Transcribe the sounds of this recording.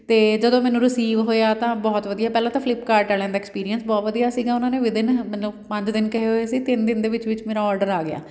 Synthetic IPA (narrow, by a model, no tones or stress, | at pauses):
t̪eːd͡ʒəd̪õːmɛːnũːɾəsiːʋɦoːjaːt̪ãːbɔːt̪ʋəd̪ijaːpɛːlãːt̪ãːpʰlɪpkaːɾʈːaːljãːd̪aɛːkspiːɾijənsbɔːt̪ʋəd̪ijaːsiːɡaːʊnãːneːʋɪd̪ɪnmɛ̃ːləpə̃ɲd͡ʒd̪ɪnkəɦeɦoːeːsiːt̪ɪnd̪ɪnd̪eːʋɪt͡ʃʋɪt͡ʃmeːɾaːɔːɾɖəɾaːɡɪja̰ː